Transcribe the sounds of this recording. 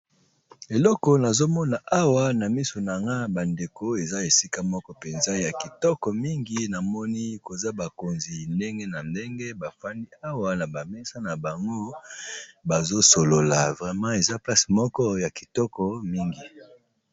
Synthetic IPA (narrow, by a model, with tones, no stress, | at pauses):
e˨lɔ˦kɔ˨na˨zo˦mɔ˦na˨ʔa˦wa˦na˨mi˦so˨na˨ŋɡa˦ba˨nde˨ko˦e˨za˦e˨si˦ka˦mɔ˦kɔ˦pe˨nza˦ja˨ki˨tɔ˦kɔ˨mi˦ŋɡi˨˦na˨mɔ˦ni˦ko˨za˦ba˨ko˨nzi˨nde˦ŋɡe˦na˨nde˦ŋɡe˦ba˨fa˦ndi˦a˦wa˦na˨ba˨mɛ˦sa˦na˨ba˨ŋɡo˦ | ba˨zo˦so˨lo˨la˨vʁɛ˨mɑ̃˦e˨za˦pla˦smɔ˦kɔ˦ja˨ki̥˨tɔ˦kɔ˨mi˦ŋɡi˨